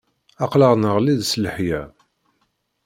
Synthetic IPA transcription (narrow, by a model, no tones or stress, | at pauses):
ɑqləʁnəʁliðsləħjæ